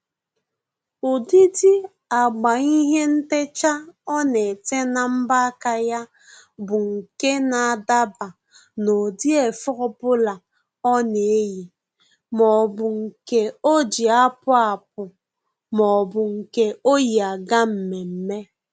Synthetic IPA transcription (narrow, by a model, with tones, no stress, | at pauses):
ʊ˨di˦di˦ | a˨ɡ͡ba˨i˦ɦe˦n̩˦te˦t͡ʃa˦ɔ˦ne˨te˦na˨m̩˦ba˦ka˨ja˦ | bʊ˨ŋ̩˨ke˦na˨a˨da˦ba˨ | no˨di˦e˨fʊ˦ɾʊ˨pʊ˦la˨ | ɔ˦ne˨e˦ji˨ | mɔ˨bʊ˨ŋ̩˨ke˦o˦d͡ʒi˨a˦pʊ˦a˨p̚ʊ˨ | mɔ˨bʊ˨ŋ̩˨ke˦o˦ji˨a˨ɡa˦m̩˨me˨m̩˨me˦